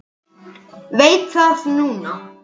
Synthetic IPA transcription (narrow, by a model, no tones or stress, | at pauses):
vejt̪ʰasnuna